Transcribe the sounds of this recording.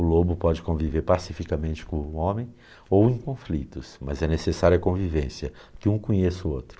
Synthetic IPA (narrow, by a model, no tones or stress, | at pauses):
ʊlobʊpɔd͡ʒɪkõviveɾpasifikɐmẽnt͡ʃɪ̥kõõmẽj̃ | owẽj̃kõflit̪ʊsmɐ̰zɛnesesaɾjuɐkõvivẽsjɐ | kɪũkõɲesʊot̪ɾʊ̥